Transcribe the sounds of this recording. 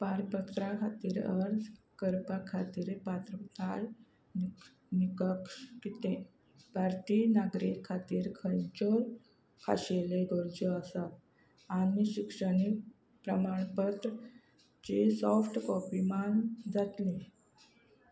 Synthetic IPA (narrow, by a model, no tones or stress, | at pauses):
paɾpət̪ɾakʰat̪iːɾəɾd͡zkəɾpakʰat̪iːɾpat̪ɾət̪al | n | nikəkʂkit̪ẽ | bʱaɾt̪iːnaɡɾikʰːat̪iːɾkʰənt͡ɕol | kʰa̰ɕeleɡoɾd͡ʑəəsat̪ | anmiɕikʂəɽik | pɾəmaɳpət̪ɾə | t͡ɕesɔfʈkɔpimand͡zat̪lẽ